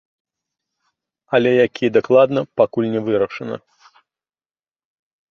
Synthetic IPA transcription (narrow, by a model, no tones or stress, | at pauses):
ɐlʲɛjakʲijɛd̪aklˠad̪nɐpakulʲnʲɛvɨɾɐʂɐnɐ̰